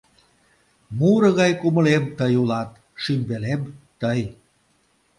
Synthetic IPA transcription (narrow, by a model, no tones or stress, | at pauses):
muɾɤ̆ɣɑjkumə̆lemt̪əjulɑt̪̚ | ʃymbelemt̪əj